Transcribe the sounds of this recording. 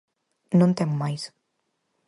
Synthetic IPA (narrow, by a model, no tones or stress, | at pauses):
nõnt̪emːajs